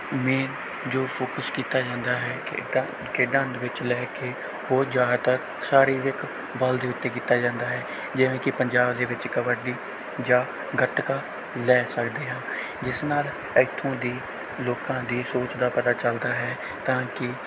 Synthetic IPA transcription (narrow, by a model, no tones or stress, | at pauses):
meːn | d͡ʒoːpʰoːkəskiːt̪aːd͡ʒãːnd̪aːɦɛː | keɖãːnd̪ʋɪt͡ʃlɛːkeː | oːd͡ʒjaːt̪ək | saːɾiːʋɪk | bəld̪eːʊt̪ːeːkiːt̪aːd͡ʒãːnd̪aːɦɛː | d͡ʒɪʋẽːkɪpəɲd͡ʒaːbd̪eːʋɪt͡ʃkəʋəɖiː | d͡ʒaː | ɡəʈkaː | lɛːsəkd̪eːɦãː | d͡ʒɪsnaːl | əɪt̪ʰːõːd̪iː | loːkãːd̪iːsoːt͡ʃd̪aːpət̪aːt͡ʃəld̪aːɦɛː | t̪ãːkɪ